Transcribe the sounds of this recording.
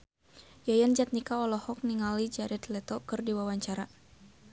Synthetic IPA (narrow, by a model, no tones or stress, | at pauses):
jajand͡ʒat̪̚nikaɔlɔhɔk̚niŋalid͡ʒaɾɛt̪lɛt̪ɔkɨrdiwawaɲt͡ʃaɾa